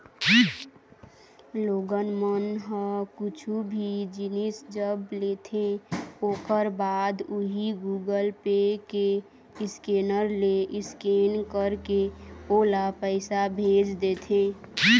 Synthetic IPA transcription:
loɡənmənɦə̃kʊt͡ʃʰubʱid͡ʒinisd͡ʒəblet̪ʰẽoːkəɾbaːd̪uɦiɡuɡəlpeke | ɪskenəɾleʔɪskenkəɾkeolapəɪsabʱed͡ʒd̪et̪ʰẽ

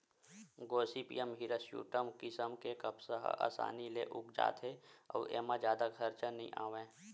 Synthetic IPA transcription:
ɡoːsipḭjəmɦiɾəsjṵːʈəmkɪsəmkekəpsəɦʔa̰ːsa̰ːnileʔʊkd͡ʒa̰ːt̪ʰɦeɔ̰ːḛːmad͡ʒjaːd̪aɡʰʱəɾt͡ʃənəḭ̃ʔaːʋẽː

